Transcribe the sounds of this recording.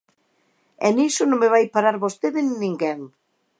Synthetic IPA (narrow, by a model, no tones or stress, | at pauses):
ɛ̰nisʊnõŋmeβajpaɾaɾβost̪eðɪnnĩŋɡɛŋ